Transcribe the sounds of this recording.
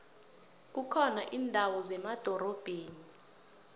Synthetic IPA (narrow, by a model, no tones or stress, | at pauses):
k̬ukʰɔnaʔiːndʱawɔzɛmad̥ʱɔɾɔb̥ʱeːni